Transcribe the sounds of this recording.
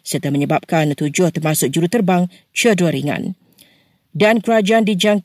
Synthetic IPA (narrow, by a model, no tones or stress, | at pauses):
sərt̪aməɲəbap̚kant̪ud͡ʒʊht̪ərmasʊk̚d͡ʒuɾut̪ərbaŋ | t͡ʃədəɾiŋã̰n | dankəɾad͡ʒaandid͡ʒaŋ